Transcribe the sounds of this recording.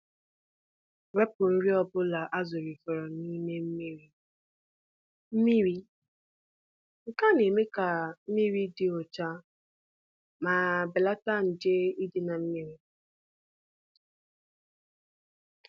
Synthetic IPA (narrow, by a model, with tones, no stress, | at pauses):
we˦pʊ˨n̩˦ɾi˦ɔ˦bʊ˦la˨ʔa˦zʊ˨ɾi˨fɔ˨ɾɔ˨ni˦me˦m̩˦mi˦ɾi˦ | m̩˦mi˦ɾi˦ | ŋ̩˨ka˦ne˨me˦ka˨m̩˦mi˦ɾi˦dɪ˨o˨t͡ʃa˦ | ma˨bɪ˨la˦ta˦n̩˨de˦i˦dɪ˨na˨m̩˦mi˦ɾi˦